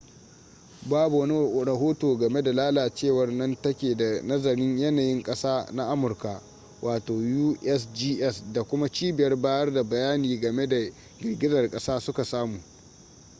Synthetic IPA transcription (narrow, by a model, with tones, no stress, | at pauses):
baː˦bu˨wɐ˦ni˦ɽɐ˨ɦoː˦toː˨ɡɐ˨me˦da˨laː˦laː˨t͡ʃeː˦˨wɐ˦rnɐ˦ntɐ˦kʲeː˨da˨nɐ˦zɐ˨ɾɪ˦ɲjɐ˦naː˨jɪ˦ŋkʼɐ˦saː˦na˦ʔa˦mʊ˨rka˨ʔ | wʔaː˨toː˨juː˦ʔɛ˦sd͡ʒiː˦ʔɛ˦sda˨kʷʊ˦ma˦t͡ʃiː˦bɪ˨jɐ˦rbaː˦jɐ˦rda˨bɐ˨jaː˦niː˨ɡɐ˨me˦da˨ | ɡʲɪ˨ɽɡʲɪ˦zɐ˨rkʼɐ˦saː˦sʊ˦ka˨saː˦muː˨